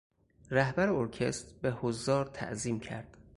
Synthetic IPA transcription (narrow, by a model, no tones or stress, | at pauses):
ɾæhbæɾeoɾcʰest̪behozːɒːɾt̪ʰæ̰ʔziːmcʰæ̰ɾd̪̥